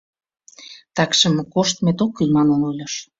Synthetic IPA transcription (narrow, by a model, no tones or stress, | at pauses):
t̪ɑkʃə̆mkoʃt̪met̪okːymɑnonolʲɑʃ